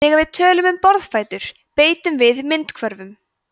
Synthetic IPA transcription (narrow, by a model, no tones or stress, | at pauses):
ɛːɣavɪðt̪ʰœːlʏmʏmpɔɾðfaːjt̪ʏɾ̥ | peːjt̪ʏmvɪðmɪnt̪kʰvœɾvʏm